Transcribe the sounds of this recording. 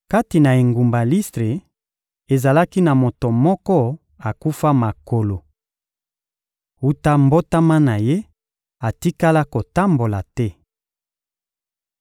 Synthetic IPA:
ka˦ti˨na˨e˨ŋɡu˨mba˨li˦stʁe˨ | e˨za˨la˦ki˦na˨mo˨to˨mɔ˦kɔ˦ | a˨ku˦fa˦ma˨ko˨lo˨ | u˦ta˦mbo˦ta˦ma˦na˨je˦ | a˨ti˦ka˦la˦ko˨ta˦mbo˨la˨tɛ˦

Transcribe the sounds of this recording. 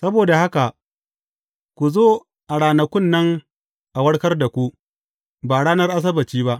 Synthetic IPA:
sɐ˦boː˨da˨ha˦ka˨ʔ | kʷu˨zoː˦ | ʔa˨ɽaː˨nɐ˨kʷʊ˦˨nːɐ˦ŋ | ʔa˨wɐ˦ɽkɐ˦rda˨kʷu˦ʔ | baː˨ɽaː˦nɐ˦rʔa˦s̬ɐ˦bɐ˨t͡ʃiː˦ba˦ʔ

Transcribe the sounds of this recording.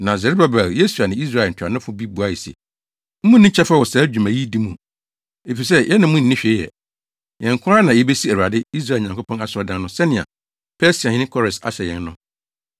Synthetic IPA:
nã˨zɛ˨ɾe˦ba˨ba˨je˦su˨a˨nɪ̃˨i˦s̬ɾa˦˨n̩˨tʰa˨nʊ̃˦fʊ˦bi˦bu˨a˦jɛ˨si˨ɛ̰˨ | m̩˦mũ˦nɪ̃˦t͡ɕʰɛ˦fa˦wɔ˨saː˨˦d͡ʑᶣu˨mæ̃˨ji˦di˦mũ˨ | e˨fi˨s̬ɛ˦jʔɛ˦nã˨mʊ̃˦n̩˨nɪ̃˦ɕᶣe˨˦ɛ̰˨ | jɛ̃˨ŋkʰʊ̃˦a˦nã˨jɛ˦be˦si˦æ˨u˨a˨dɪ˦i˦s̬ɾa˦˨ɲã˨ŋkʰo˦pʰɔ̃˦na˨sʊ˨˦ɔ˨dã˦n˦nʊ̃˦sɛ˦nɪ̃˨a̰˨ | pʰɛ˦si˨a˨ɪ̃˦nɪ̃˦kʰɔ˦ɾɪ̃˨sa̰˨ɕɛ˨jɛ̰̃˨n˦nʊ̃˦

